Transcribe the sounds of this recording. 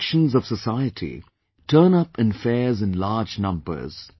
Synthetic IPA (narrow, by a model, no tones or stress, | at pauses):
ʃə̃nzɔv̥səsaɪətʰḭ | tʰəːnʌpɨ̃nfɛːzɨ̃nlaːd͡ʒnʌ̃mbə̰˞z̥